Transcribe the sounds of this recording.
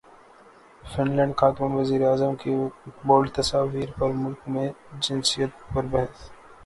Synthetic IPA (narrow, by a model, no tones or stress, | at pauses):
fɪnlɛ̃ːɳɖkʰaːt̪mənʋɐziːɾeaːzəmkeboːlt̪ɐsaːʋiːɾpɐɾmʊlkmẽd͡ʒɪ̃nsijət̪̚pɐɾbɛɦɛs